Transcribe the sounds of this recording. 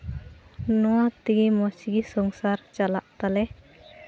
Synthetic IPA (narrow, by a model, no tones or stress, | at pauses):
nɔat̪iɡimɔsiɡisɔŋsaɾt͡ʃalaʔt̪alɛ